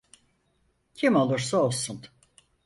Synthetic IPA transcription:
cʰimo̞lˠuɾsaolˠsun

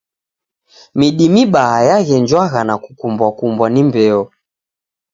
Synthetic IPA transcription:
miɗimiɓahajaɣɛnd͡ʒwaɣanakukumbwakumbwanimbɛɔ

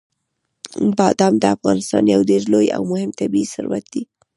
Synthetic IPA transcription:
bɑd̪ɑmd̪əafɣɑnɪst̪ɑ̰njawdeɾloja̰wmʊhɪmt̪abiisʊ̰ɾwa̰t̪̚d̪i

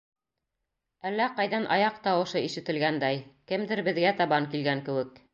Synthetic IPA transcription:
ælːæqɑjðɑnʔɑ̰jɑqt̪ɑwɤ̆ʃɤiʃɘ̆t̪ɘ̆lɡænd̪æjkɘmd̪ɘɾbɘ̆ðɡæt̪ɑβɑŋkilɡæŋkɘ̆wɘ̆k

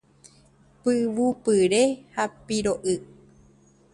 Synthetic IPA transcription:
pɨʋupɨɾe̞hapiɾoʔɨ

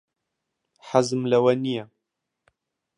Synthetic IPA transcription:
ħazɨmlɐwɐnijɛ

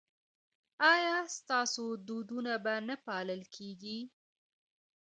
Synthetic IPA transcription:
ɑjɑst̪ɑsod̪od̪unabanapɑləlkʰeɡi

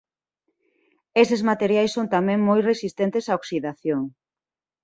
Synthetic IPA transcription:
esezmat̪eɾjajsont̪amẽŋmojresist̪ent̪esaoksiðaθjoŋ

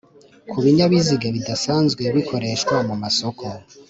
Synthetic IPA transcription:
kʰuβiɲaβiziɡaβidasaːnzɡwe̞βikʰo̞ɾe̞ʃkwamumaso̞ko

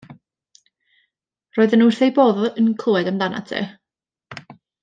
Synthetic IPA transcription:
roːɨðənurθejboːðənkʰl̥ˠuɛdəmdana̰tʰḛː

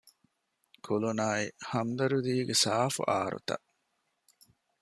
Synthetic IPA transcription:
kʰulunaːihɐmd̪ɐɾud̪iːɡesaːfṵʔaːɾṵt̪ɐ̰

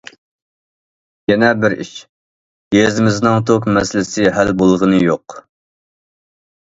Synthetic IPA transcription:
jɛnɛbɪɾḭʃ | jezɪmɪznɨŋt̪ʰokmɛsɪlɪsɪɦælbolˠʁənɨjoq

